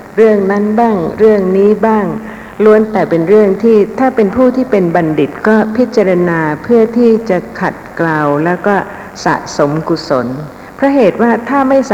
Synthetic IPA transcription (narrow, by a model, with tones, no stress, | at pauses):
ɾɯ˥˩əŋna˦˥nbaː˥˩ŋɾɯ˥˩əŋniː˦˥baː˥˩ŋ | lu˦˥ənt̪ɛː˨˩pe˧nɾɯ˥˩əŋt̪ʰiː˥˩t̪ʰaː˥˩pe˧npʰuː˥˩t̪ʰiː˥˩pe˧nba˧ndi˨˩t̪̚kɔː˥˩pʰi˦˥t̪̚t͡ɕa˧ɾa˧naː˧pʰɯ˥˩ət̪ʰiː˥˩t͡ɕa˨˩kʰa˨˩t̪̚klaː˧wlɛː˦˥wkɔː˥˩ | sa̰˨˩ʔso˩˦mku˨˩so˩˦n | pʰɾa˦˥ɦeː˨˩t̪̚waː˥˩t̪ʰaː˥˩ma˥˩js